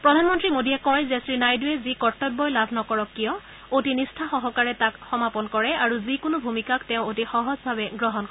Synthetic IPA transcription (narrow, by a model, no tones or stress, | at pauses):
pɹɔdʱanmɔntɹimodijɛkɔjzɛsɹinajduɛzikɔɹtːɔbːɔjlabʱnɔkɔɹɔkːijɔ | otinistʰaxɔɦɔkaɹɛtakxɔmapɔnkɔɹɛaɹuzikʊnʊbʱumikaktɛʊ̃otixɔɦɔzbʱabɛɡɹɔɦɔnkɔ